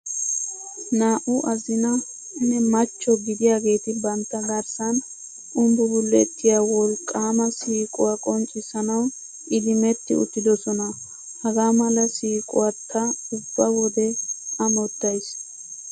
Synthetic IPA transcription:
naːʔʊʔɐzɪnɐ | nːɛmɐt͡ʃːɔɡɪd̪ɪjaːɡe̞ːt̪ɪbɐnt̪ːɐɡɐɾsɐn | ʔʊmbʊbʊlːɛt̪ːɪjaːwɔlkʼːaːmɐsiːkʼʊwakʼɔnt͡ʃʼːɪsɐnɐwn | ɪd̪ɪmɛt̪ːɪ̰ʊ̰t̪ːɪd̪ɔsɔnɐ | hɐɡaːmɐlɐsiːkʼʊwat̪ːɐʊbːɐwɔd̪ɛɐmɔt̪ːɐjs

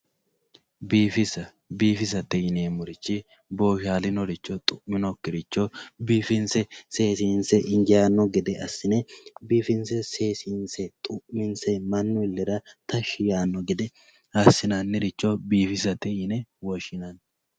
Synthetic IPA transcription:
biːfɪsɐ | biːfɪs̬ɐt̪ɛjɪneːmʊɾɪt͡ʃːɪ | boːʃaːlɪnɔɾɪt͡ʃːɔt̪ʼʊʔmɪnɔkːɪɾɪt͡ʃːɔbiːfɪnsɛseːsiːnsɛʔɪŋɡɪjaːnːɔɡɪd̪ɛɐsːɪnɛbiːfɪnsɛseːsinsɛt̪ʼʊʔmɪnsɛmɐnːʊɪlːɛɾɐt̪ɐʃɪjaːnːɔɡɪd̪ɛ | ɐsːɪnɐnːɪɾɪt͡ʃːɔbiːfɪsɐt̪ɛjɪnɛwɔʃɪnɐn

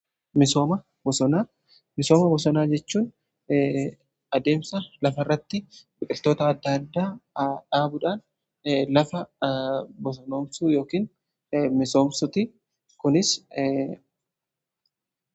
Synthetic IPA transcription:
mɪsoːmɐ | bɔsɔnaː | mɪso̞ːmɐbɔsɔnaːd͡ʒɛt͡ʃːuːn | ɐd̪e̞ːmsɐlɐfɐɪrːɐt̪ːɪbɪkʼɪlt̪o̞ːt̪ɐːd̪ːad̪ːaːᶑaːbʊᶑaːn | lɐfɐ | bɔsɔno̞ːmsuːjo̞ːkiːn | mɪso̞ːmsʊt̪ɪ | kʊnɪs

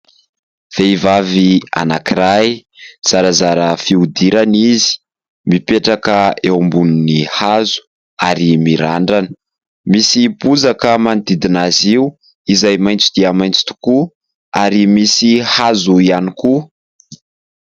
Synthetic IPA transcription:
v̥eivavia̰nakiɾajz̥aɾazaɾəfiud̪iɾanizi̥ | mipeʈ͡ʂakəewambuninihazu̥ | aɾimiɾaɳɖ͡ʐanə̥ | misibuzakəmand̪id̪inaziu | izajmajnt͡sud̪iamajnt͡si̥t̪u̥ku | aɾimisihazuianiku

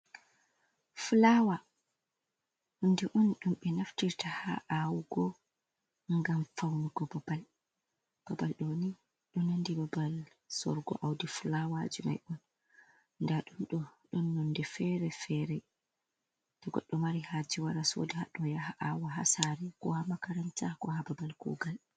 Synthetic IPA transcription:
flawa | undiʔɔnɗumɓɛnaftiɾtaha̰ʔawɡɔ | ŋɡamfawnuɡɔbabal | b̥abalɗɔni | ɗɔnandibabal | sɔ̰ɾɡɔ̰ʔawdiflawad͡ʒima̰jʔɔn | ndaɗumɗɔɗɔnːɔndɛfɛɾɛfɛɾɛ | tɔɡɔ̰ɗːɔmaɾihad͡ʒiwaɾaso̰dɛhaɗɔjahaʔawɔɦa̰saɾɛkɔ̰hamakaɾɛntahkɔhababalkṵːɡal

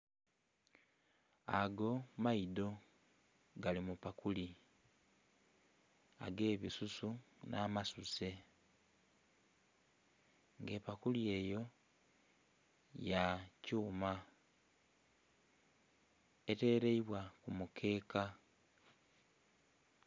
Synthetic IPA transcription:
aɡo̞maido̞ | ɡalimupakuli | a̰ɡe̞ːβisusunaːmasuse̞ | ŋɡe̞ːpakulie̞jo̞ | jacuːma | ete̞ɾe̞iβwakumukʰe̞ːka

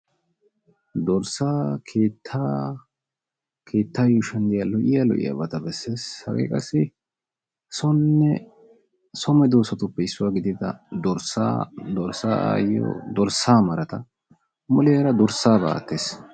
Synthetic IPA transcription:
d̪ɔɾsaːkʰeːt̪ʰːaː | kʰe̞ːt̪ːaːjʊʃɐnd̪ɪjalɔʔɪjalɔ̰ʔɪ̰jɐ̰bɐt̪ɐbɛsːe̞ːshɐ̰ɡḛkʼɐsːɪ | sɔnːɛ | sɔmɛd̪oːsɐt̪ʊpːɛɪsːʊwaːɡɪd̪ɪt̪ɐd̪ɔɾsa̰ːd̪ɔɾsaːa̰ːjɔ̰d̪ɔɾsaːmɐɾɐt̪ɐ | mʊleːɾɐd̪ɔɾsːaːba̰ːt̪ːeːs

